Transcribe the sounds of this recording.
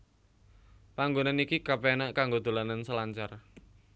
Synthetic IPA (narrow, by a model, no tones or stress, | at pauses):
paŋɡonanikikapɛnaʔkaŋɡod̪̥o̤lanansəlaɲt͡ʃar